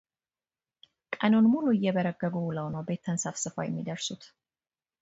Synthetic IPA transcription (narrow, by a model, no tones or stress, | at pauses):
kʼəno̞nmuluɪjːɛbəɾəɡːəɡuləwnəwbe̞t̪ʰːənsafsɨfa̰jɛmːid̪əɾsut̪